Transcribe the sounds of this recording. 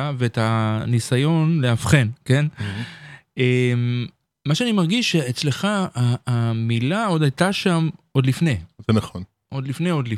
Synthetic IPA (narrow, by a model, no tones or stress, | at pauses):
veetanisajo̞nleafχe̞nke̞n | em | maʃeanimaʁɡiʃeet͡sle̞χaamilao̞d̪ajtaʃamʔo̞d̪lifne̞zenaχon | ʔo̞d̪lifne̞o̞d̪li